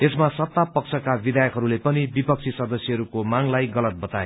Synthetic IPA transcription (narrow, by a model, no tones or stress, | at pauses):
esmasʌt̪ːapʌk̚t͡sʰʌkabid̪ʱajʌkɦʌɾulepʌnibipʌk̚t͡sʰisʌd̪ʌsjʌɦʌɾukomaŋlajɡʌlʌt̪̚bʌt̪ae